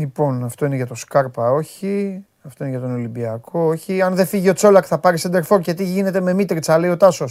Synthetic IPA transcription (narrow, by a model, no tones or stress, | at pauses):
lipo̞nɐft̪o̞ine̞ʝɐt̪o̞skɐɾpɐo̞çi | ɐft̪o̞ineʝɐt̪o̞no̞limbiɐkʰo̞oçiɐnðe̞fiʝio̞t͡so̞lɐkθɐpɐɾisɐnd̪e̞ɾfo̞ɾcet̪̬iʝine̞t̪e̞me̞mit̪ɾt͡sɐle̞io̞t̪ɐso̞s